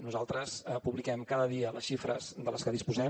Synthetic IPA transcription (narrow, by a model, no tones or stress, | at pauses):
nuzalˠt̪ɾəsəpuβlikɛmkaðəðiələsʃifɾəzðələskəðispuzɛ